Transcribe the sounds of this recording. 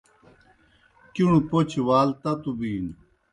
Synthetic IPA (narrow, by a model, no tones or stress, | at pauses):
kuɳ̃upot͡ɕʰwaːlt̪ɐt̪ubiːn